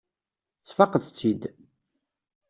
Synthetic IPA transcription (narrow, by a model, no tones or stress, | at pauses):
t͡sːfɑqəðt͡sːid̪